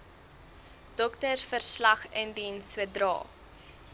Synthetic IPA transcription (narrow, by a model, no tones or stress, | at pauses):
d̥ɔktərfərslɐχəndinswədrɑ̰ː